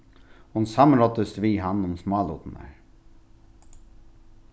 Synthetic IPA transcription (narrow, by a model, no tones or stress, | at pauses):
hʊnsɑməɾɔt̪əsʋiːɦɑnʊmsmɑːlṵt̪n̩æ̰ɹ